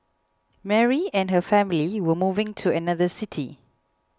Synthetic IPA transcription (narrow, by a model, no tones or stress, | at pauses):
mɛɹiɛ̃nɦəfɛ̃mliwəmuvɪ̃ŋtʰuənaðəsɪtʰḭ